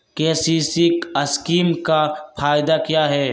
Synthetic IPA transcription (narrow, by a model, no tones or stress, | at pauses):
keːsiːsɪkɐskiːmkapʰaːjɪd̪akjaːɦɛː